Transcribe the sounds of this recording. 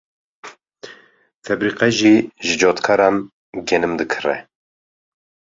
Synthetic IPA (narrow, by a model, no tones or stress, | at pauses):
fɛbɾiːqɛʒiʒɨd͡ʒoːt̪kʰɑɾɑːm | ɡɛnɨmd̪ɨkʰɨrɛ̰